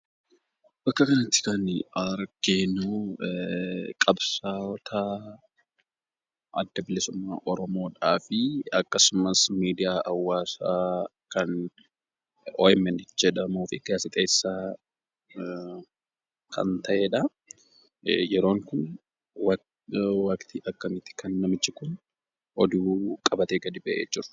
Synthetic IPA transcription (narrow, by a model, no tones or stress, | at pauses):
bɐkːɐkɐnɐt̪ːɪ̥kɐnɐɾɡ̥eːnuː | kʼɐbsaːɔt̪ʰa | ʔɐd̪ːɐbɪlɪsʊmːa̰ːʔɔɾɔmo̞ːᶑaːfɪɐkːɐsʊmɐsmiːd̪ɪjaːʔɐwːaːsaː | kɐn | ɔɪmɛnɪd͡ʒɛᶑɐmuːfɪɡaːsɪt̪ʼeːsːaː | kʰɐ̰nt̪ɐʔeːᶑɐ | jɛɾo̞ːŋkʊn | w | wɐkt̪ʰiʔɐkːɐmɪt̪ɪ̥kʰɐnːɐmɪt͡ʃːɪkʊn | ʔɔd̪uːkʼɐbɐt̪eːɡɐd̪ɪbɛʔeːd͡ʒɪɾʊ̥